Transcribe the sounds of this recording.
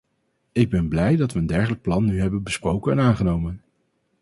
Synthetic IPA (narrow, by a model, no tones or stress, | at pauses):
ɪɡ̚bɛnblɛjdɑtʋəːndɛɹχələk̚plɑnːyɦɛbənbəsprowkənaːnχənowmən